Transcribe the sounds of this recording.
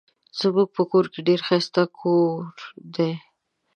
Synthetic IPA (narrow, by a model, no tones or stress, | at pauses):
səbuk̚pəkoɾkeɖeɾxast̪akʰoɾd̪e